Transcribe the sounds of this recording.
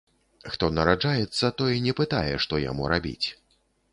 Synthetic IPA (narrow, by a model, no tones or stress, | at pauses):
xt̪ɔnɐɾad͡ʐajɛt̪sːɐt̪ɔinʲɛpɨt̪a̰jɛʂt̪ɔja̰muɾabʲḭt͡sʲ